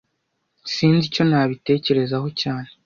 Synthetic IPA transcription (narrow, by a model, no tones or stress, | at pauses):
siːnzico̞naːβite̞ːce̞ɾe̞zaɦo̞caːne